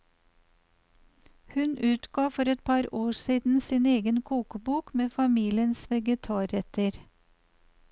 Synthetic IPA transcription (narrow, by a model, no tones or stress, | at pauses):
hʉnʉːt̪ɡ̥ɑːfɔɾɛt̪̚pʰɑɾoːsiːd̪n̩siːneːɡənkʰuːkəbuːkmeːfɑmiːlɪənsʋɛɡət̪ʰɑːɾɛt̪əɾ